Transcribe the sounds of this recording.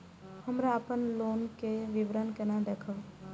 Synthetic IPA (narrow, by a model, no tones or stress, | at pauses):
hɐmɾaːpənloːnkeʋɪʋɾənkənad̪ekʰa